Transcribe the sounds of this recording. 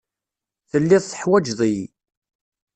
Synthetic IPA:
θəlːɪðˤθə̥ħwæd͡ʒðˤij

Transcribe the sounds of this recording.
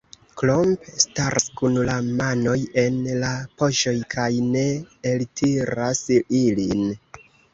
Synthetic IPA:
klompstaɾʔskunlamano̞je̞nlapo̞ʃo̞jkʰajne̞eltʰiɾasilin

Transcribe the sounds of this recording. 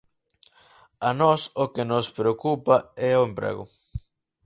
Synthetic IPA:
anɔsokenospɾeokupaɛoempɾɛ̰ɣʊ̰

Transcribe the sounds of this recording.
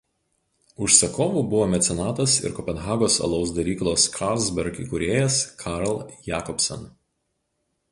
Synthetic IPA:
ʊʃsɐkʰoːʋuːbʊʋoːmʲɛt̪sʲɛnɑːt̪ɐsɪ̰ɾkɔpʲɛnɣɑːɡoːsɐ̰lˠɒʊsd̪ɐɾʲiːklˠoːskʰɑlˠzʲbʲɛɾkʲḭkʊɾʲeːjɛskʰɑɾlˠjæːkɔpʲsʲɐ̰n

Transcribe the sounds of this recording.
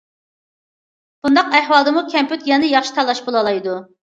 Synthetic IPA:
b̥und̪ɑqæhwɑlˠd̪ɨmukʲʰɛmpyt̪jɛnɪjɑχʃi̥t̪ʰɑlˠːɑʃbolˠɑlˠɑjd̪u

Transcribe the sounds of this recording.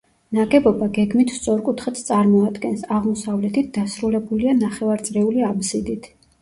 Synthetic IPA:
naɡɛbɔbaɡɛɡmit̪ʰst̪sʼɔɾkʼut̪ʰχɛt̪ʰt̪sʼaɾmɔad̪ɡɛnsaʁmɔsavlɛt̪ʰit̪̚ʰd̪asɾulɛbulianaχɛvaɾt̪sʼɾɛuliabzid̪it̪ʰ

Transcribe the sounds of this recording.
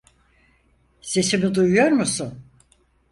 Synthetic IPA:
se̞simid̪ujujo̞ɾmusun

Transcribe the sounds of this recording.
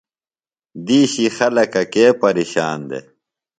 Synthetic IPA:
d̪iːɕixɐlɐkɐkeːpɐɾiːɕa̰ːnd̪ḛ

